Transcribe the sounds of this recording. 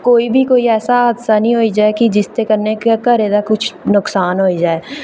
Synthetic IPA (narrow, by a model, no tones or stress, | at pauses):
koːibʱikoːiɛːsaaːd̪ʃanɦĩɦoːid͡ʒaːekid͡ʒɪst̪ekɐɾnekekaɾeːd̪akʊt͡ʃʰnʊksaːnɦoːid͡ʒaːeː